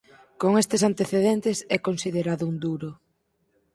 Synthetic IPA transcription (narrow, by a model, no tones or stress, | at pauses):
koŋest̪esant̪eθeðent̪esɛkonsiðeɾaðʊund̪uɾo